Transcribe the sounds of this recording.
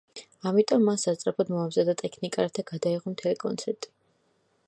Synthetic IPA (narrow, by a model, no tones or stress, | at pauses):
amit̪ʼɔmːasːast̪sʼɾapʰɔd̪mɔamzad̪at̪ʼɛkʰnikʼaɾat̪ʰaɡ̥ad̪aiʁɔmt̪ʰɛlikʼɔ̰nt̪sʰɛɾt̪ʼi̥